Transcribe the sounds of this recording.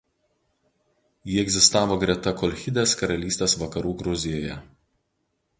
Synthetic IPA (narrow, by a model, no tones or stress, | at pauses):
jiːɛɡʲzʲɪst̪ɑːʋoːɡɾʲiɛt̪ɐkɔlʲxʲɪd̪ʲeːskɐɾɐlʲiːsʲt̪ʲeːsʋɐkɐɾuːɡɾʊzʲɪjoːjɛ̰